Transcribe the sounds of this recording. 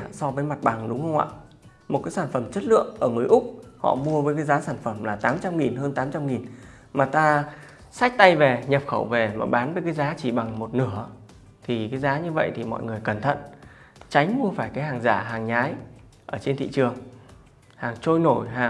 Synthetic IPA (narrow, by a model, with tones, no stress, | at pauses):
sɔ˧vəː˨˦jma˨˩t̚ɓa˨˩ŋɗʊ˨˦ŋ͡mhə˧wŋ͡mʔa̰ː˧˨ | mo˨˩t̚kaː˨˦saː˧˩nfə˧˩mt͡ɕə˦˥t̚lɨ̰˧˨əŋʔəː˧˩ŋɨ˨˩əjʔʊ˦˥k͡p̚hɔ̰˧˨mu˧əvəː˨˦jk̬aː˨˦jzaː˨˦saː˧˩nfə˧˩mlaː˨˩t̪aː˨˦mt͡ɕa˧mŋi˨˩nɦəː˧nt̪aː˨˦mt͡ɕa˧mŋi˨˩n | maː˨˩t̪aː˧ | sa˦˥jk̟̚t̪a˧jve˨˩ɲə˨˩p̚xə˧˩wve˨˩ma̰ː˨˩ɓaː˨˦nvəː˨˦jkaː˨˦jzaː˨˦t͡ɕi˧˩ɓa˨˩ŋmo˨˩t̚nɨ˧˩ə | t̪ʰi˨˩kaː˨˦jzaː˨˦ɲɨ˧və̰˧˨jt̪ʰi˨˩mɔ̰˧˨jŋɨ˨˩əjkə˧˩nt̪ʰə̰˧˨n | t͡ɕa˨˦jŋ̟mu˧əfaː˧˩jkaː˨˦jɦaː˨˩ŋzaː˧˩ɦaː˨˩ŋɲaː˨˦j | ʔəː˧˩t͡ɕe˧nt̪ʰḭ˧˨t͡ɕɨ˨˩əŋ | haː˨˩ŋt͡ɕo˧jno˧˩jɦaː˨˩